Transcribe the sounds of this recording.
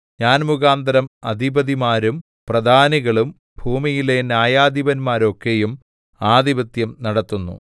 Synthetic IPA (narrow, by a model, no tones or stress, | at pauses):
ɲaːnmuɣaːnd̪ɐɾɐmɐd̪ʱibɐðimaːɾum | prɐd̪ʱaːniɣɐɭum | bʱuːmijile̞njaːjaːd̪iʋɐnmaːɾo̞kːe̞jum | aːd̪ibɐt̪jɐmnɐɽɐt̪ːunːṵ